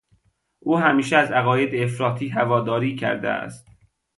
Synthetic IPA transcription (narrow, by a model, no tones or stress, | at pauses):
ʔuːhæmiːʃeæzæɣɒːje̞d̪eːfɾɒːt̪ʰiːɦævɒːd̪ɒːɾiːcʰæ̰ɾd̪ḛæ̰st̪